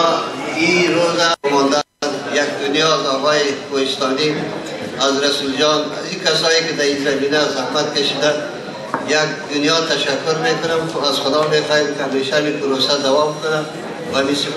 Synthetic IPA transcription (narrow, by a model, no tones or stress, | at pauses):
iɾozamɔnd̪a | njak̚d̪ʊnjɔzɔɣɔjekohɪst̪ɔni | azɾasuld͡ʒɔna̰zikasɔjekɪd̪aizaminazahmat̪̚kaʃid̪an | jak̚d̪ʊnjɔt̪aʃakːʊɾmekʊnamazxʊd̪ɔmexɔjamkɪameʃamipʊɾosad̪awɔbkʊna | wamisɪ